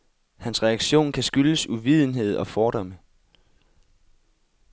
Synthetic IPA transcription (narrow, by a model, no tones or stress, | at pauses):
hænsʁɛɑ̈ɡ̥ɕo̝̰ːnkʰæsɡ̥yləsuʋið̞̰ˠn̩ɦe̝ð̞̰ˠɒ̽fɒːɾ̥ɒ̽mə